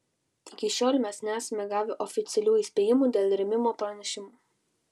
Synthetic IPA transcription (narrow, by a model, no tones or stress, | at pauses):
ɪkʲɪʃʲoːlʲmʲɛsnʲæːsɐmʲɛɡɑːʋʲɪʔɔfʲɪt̪sʲɛlʲuːiːsʲpʲeːjɪmuːd̪ʲeːlˠʲɾʲɛmʲɪmoːpɾɐnʲɛʃʲɪmoː